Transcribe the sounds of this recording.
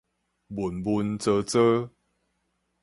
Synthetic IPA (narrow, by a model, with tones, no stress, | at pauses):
bu˨˩nbu˧nt͡sə˧t͡sə˦